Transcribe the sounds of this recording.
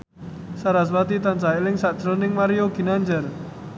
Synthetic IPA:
saɾas̬wat̪it̪ant͡ʃaɪlɪŋsaʔd̥ʒ̥əɾonɪŋmaɾijoɡ̥i̤naɲd͡ʒər

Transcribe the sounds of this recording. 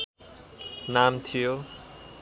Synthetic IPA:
namt̪ʰijo

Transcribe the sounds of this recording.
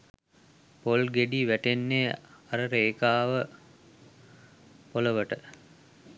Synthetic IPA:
polɡeɖiːʋæʈenːeaɾəɾeːkaːʋə | poləʋəʈə

